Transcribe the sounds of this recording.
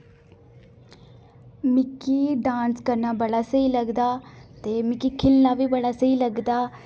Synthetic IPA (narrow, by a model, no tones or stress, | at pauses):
mɪkiɖãːnskəɾnaːbəɽasəiləɡd̪aːt̪emɪkikʰɪlnaːʋibəɽasəiləɡd̪aː